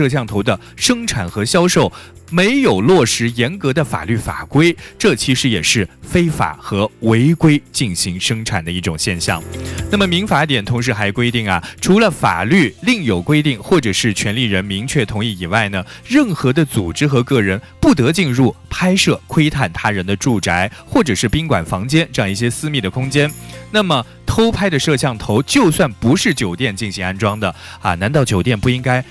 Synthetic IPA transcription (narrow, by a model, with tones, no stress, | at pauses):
ɤ˥˧ɕ̬jɑ˥˩ŋt̪ʰo˧˥ʊd̪ə˧ | ʂɤ˥ŋʈ͡ʂʰa˨˩nxɤ˧˥ɕjɑ˥ʊʂo˥˩ʊme˧˥ɪjo˨˩ʊlwɔ˥˩ʂɻ̩˧˥jɛ˧˥nkɤ˧˥d̪ə˧fa̰˨˩ly˥˩fa̰˨˩kwe˥ɪʈ͡ʂɤ˥˩t͡ɕʰi˧˥ʂɻ̩˧˥jɛ˨˩ʂɻ̩˥˩fe˥ɪfa̰˨˩˦xɤ˧˥we˧˥ɪkwe˥ɪt͡ɕi˥˩nɕi˧˥ŋʂɤ˥ŋʈ͡ʂʰa˨˩nd̪ə˦i˥˩ʈ͡ʂʊ˨˩ŋɕjɛ˥˧nɕjɑ̰˥˩ŋna˥˩mə˩mi˧˥ŋfa˧˥t̪jɛ˨˩nt̪ʰʊ˧˥ŋʂ̬ɻ̩˧˥xa˧˥ɪ˨˩kwe˥ɪt̪i˥˩ŋɐ˩ʈ͡ʂʰu˧˥lə˧fa̰˨˩ly˥˩li˥˩ŋjo˨˩ʊkwe˥ɪt̪i˥˩ŋxwɔ˥˩ʈ͡ʂɤ˨˩ʂɻ̩˥˩t͡ɕʰɥɛ˧˥nli˥˩ɻə˧˥nmi˧˥ŋt͡ɕʰɥɛ˥˩t̪ʰʊ˧˥ŋi˥˩i˨˩wa˥˩ɪnə˩ɻə˥˩nxɤ˧˥d̪ə˧t͡su˨˩ʈ͡ʂɻ̩˥xɤ˧˥kɤ˥˩ɻə˧˥npu˥˩t̪ɤ˧˥t͡ɕi˥˧nɻu˥˩pʰa˥ɪʂɤ˥˩kʰwe˥ɪt̪ʰa˥˩nt̪ʰa˥ɻə˧˥nd̪ə˧ʈ͡ʂu˥˩ʈ͡ʂa˧˥ɪxwɔ˥˩ʈ͡ʂɤ˨˩ʂɻ̩˥˩pi˥ŋkwa̰˨˩nfɑ˧˥ŋt͡ɕjɛ˥nʈ͡ʂɤ˥˧jɑ˥˧ŋi˥˩ɕjɛ˥sɹ̩˥˧mi˥˩d̪ə˩kʰʊ˥ŋt͡ɕjɛ˥nna˥˩mə˩ | t̪ʰo˥ʊpʰa˥ɪd̪ə˨ʂɤ˥˧ɕjɑ˥˩ŋt̪ʰo˧˥ʊt͡ɕjo˥˧ʊswa˥˩npu˧˥ʂɻ̩˥˩t͡ɕjo˨˩ʊt̪jɛ˥˧nt͡ɕi˥˩nɕi˧˥ŋa˥nʈ͡ʂwɑ˥ŋd̪ə˨ɐ̰˨na˧˥nt̪ɑ˥˩ʊt͡ɕjo˨˩ʊt̪jɛ˥˧npu˥˩i˥ŋka˥ɪ